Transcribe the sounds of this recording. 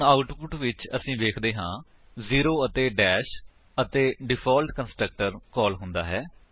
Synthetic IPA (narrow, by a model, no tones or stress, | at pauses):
aːʊʈpʊʈʋɪt͡ʃə̰sĩːʋeːkʰd̪eːɦãː | ziːɾoːət̪eːɖɛːʃ | ət̪eːɖɪpʰɔːlʈkənsʈɾək̚ʈəɾkɔːlɦʊnd̪a̰ːɦɛː